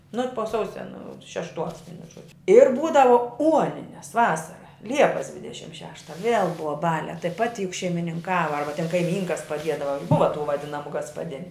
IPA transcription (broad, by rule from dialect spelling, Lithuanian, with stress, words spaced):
nʊ poː ˈsɐʊsʲɛ nʊ ʃʲɛʃˈtuɔs ˈʋʲiɛnʊ ˈʒuɔd͡ʒʲʊ ɪr ˈbuːdɐʋoː ˈuɔnʲɪnʲɛs ˈʋɑːsɐrɐ ˈlʲiɛpɐs ˈdʲʋʲɪdʲɛʃʲɪm ˈʃʲæːʃtɐ ʋʲiɛlˠ ˈbʊʋɐ ˈbɑːlʲæː tɐɪ ˈpɑːtʲɪ jʊk ʃʲɛɪmʲɪnʲɪŋˈkɑːʋɐ ˈɐrbɐ tʲɛn kɐɪˈmʲiːŋkɐs pɐˈdʲiɛdɐʋɐ jʊk ˈbʊʋɐ tuː ʋɐˈdʲɪnɐmʊ ɡɐspɐˈdʲɪnʲʊ